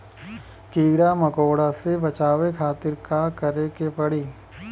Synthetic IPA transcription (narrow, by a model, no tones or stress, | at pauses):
kiːɽamɐkoːɽasebɐt͡ʃaːʋekʰaːt̪ɪɾkakɐɾekepɐɽiː